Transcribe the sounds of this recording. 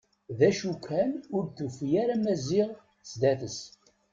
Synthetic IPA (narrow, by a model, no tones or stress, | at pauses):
ðæʃukːænʊɾθufijæɾamæzɪʁ | sd̪æθəs